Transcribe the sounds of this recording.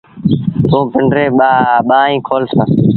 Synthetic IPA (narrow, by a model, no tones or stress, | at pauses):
t̪õːpɪɳɖɾeːɓaɓaːĩːkʰoːlsãː